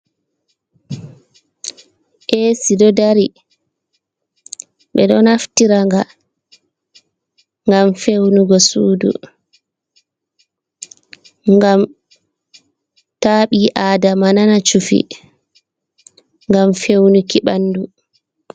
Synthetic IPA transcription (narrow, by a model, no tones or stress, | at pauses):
ʔesidɔdaɾi | ɓɛɗɔnaftiɾaŋɡa | ŋɡamfewnuɡɔsuːdṵ | ŋɡam | taːɓiʔaːdamananat͡ʃufḭ | ŋɡamfewnukiɓanːdu